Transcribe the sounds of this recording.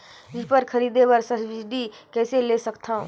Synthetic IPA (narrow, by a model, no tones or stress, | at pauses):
d͡ʒipəɾkʰəɾiːd̪ebəɾsəsbid͡ʒɖikɛːselesəkt̪ʰaːũ